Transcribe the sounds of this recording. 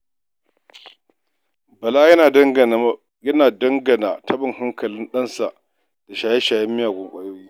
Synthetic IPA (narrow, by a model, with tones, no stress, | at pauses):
bɐ˨laː˦jɐ˦a˨˦ | jɐ˦naː˨dɐ˦ŋɡɐ˨na˨tʰɐ˦ɓɪ˨ŋhɐ˦ŋkɐ˨lɪ˦nɗɐ˦nsa˨ʔ | d̥a˨ʃaː˨je˦ʃaː˨jɐ˦mːɪ˦jaː˨ɡʷʊ˨ŋkʷʼaː˦joː˦jiː˦